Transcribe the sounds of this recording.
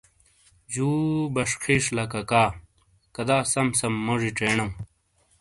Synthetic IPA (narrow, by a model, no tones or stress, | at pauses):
d͡ʑuːbɐʂqʰiʂlɐkɐkaː | kɐd̪aːsɐmsɐmːoʐiʈ͡ʂeːnɐ̃